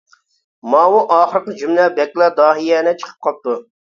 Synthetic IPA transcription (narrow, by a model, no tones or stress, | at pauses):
mɑːwuʔɑːχəɾəqəd͡ʒymlɛbɛkʲlˠɑd̪ɑːɦijɛnɪt͡ʃʰə̥qʰə̥p̚qʰɑp̚t̪u